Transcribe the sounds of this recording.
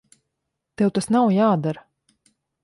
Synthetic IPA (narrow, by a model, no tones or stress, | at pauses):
t̪ewt̪asnawjaːd̪aɾ